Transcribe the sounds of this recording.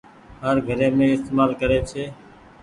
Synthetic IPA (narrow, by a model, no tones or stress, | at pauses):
ɦəɾɡʱəɾeːmẽːɪst̪eːmaːlkəɾeːt͡ʃʰeː